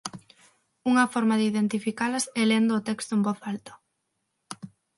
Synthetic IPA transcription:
uŋɐfɔɾmaðɪiðent̪ifikalɐsɛlend̪oːt̪ɛkst̪ʊembɔθalt̪ʊ̥

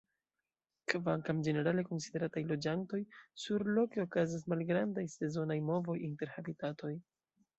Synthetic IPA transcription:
kvaŋkamd͡ʒe̞ne̞ɾale̞ko̞nside̞ɾatajlo̞d͡ʒanto̞jsuɾlo̞ke̞o̞kazas̬malɡɾandajse̞zo̞najmo̞vo̞jinte̞ɾhabitato̞j

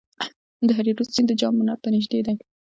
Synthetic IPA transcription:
d̪əɦaɾiɾussind̪əd͡ʒɑmːʊnaɾpənɪʒd̪ed̪aj

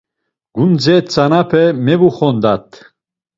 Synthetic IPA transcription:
ɡ̥und͡zɛt͡sʰanapʰɛmɛvuχɔnd̪at̪ʰ

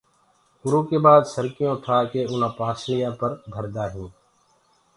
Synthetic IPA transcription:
kʊɾõːkeːɓaːd̪səɾkɪjõːt̪ʰaːkeːʊnãːpaːsɾɪjãːpəɾb̪ʱəɾd̪aːɦũː

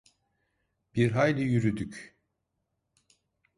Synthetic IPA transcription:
b̥iɾɦajlʲijyɾyd̪yc

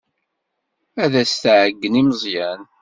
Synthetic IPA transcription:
æðæst̪ʕəɡːəniməzˤjæn

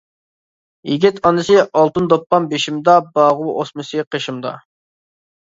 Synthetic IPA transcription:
jiɡʲit̪ɑnɨsɨɑlˠt̪ɨnd̪opːɑmbeʃimd̪ɑbɑːʁʊʔosmɨsɨqʰəʃimd̪ɑ̰

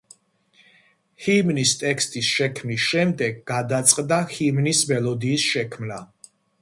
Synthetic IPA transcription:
himnist̪ʼɛkst̪ʼisʃɛkʰmnisʃɛmd̪ɛɡɡad̪at̪sʼqʼd̪ahimnismɛlˠɔd̪iːsʃɛkʰmna

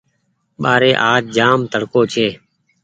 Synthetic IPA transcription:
ɓaːɾeːʔaːd͡ʒd͡ʒaːmt̪əɽkoːt͡ʃʰeː

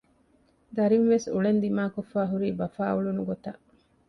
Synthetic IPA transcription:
d̪ɐɾinʋesuɭend̪imaːkofːaːɦuɾiːbɐfaːuɭunuɡot̪ɐʔ

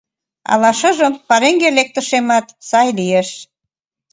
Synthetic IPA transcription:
ɑ̰lɑʃə̆ʒəmpɑɾeŋɡelek̚t̪ə̆ʃemɑt̪sɑjlieʃ

